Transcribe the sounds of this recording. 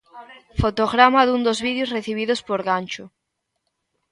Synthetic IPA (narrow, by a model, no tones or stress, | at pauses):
fot̪oɣɾamaðund̪ozβiðjosreθiβ̞iðospoɾɣanʲt͡ʃʊ